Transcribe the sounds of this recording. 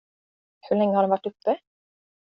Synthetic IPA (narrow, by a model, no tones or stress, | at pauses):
hɵɭɛŋːəhaɖɛnvaʈːɵpːə